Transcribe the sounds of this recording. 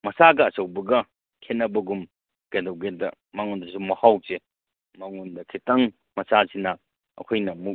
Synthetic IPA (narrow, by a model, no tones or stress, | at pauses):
mɐsaɡɐːsɐwbɐɡɐ | kʰenːɐbɐɡum | ɡ̥edɐwɡedɐ̰ | maŋondɐsumɐhawse | maŋundɐkʰitɐŋ | mɐsasinɐ | ɐ̰kʰojnɐmuk̚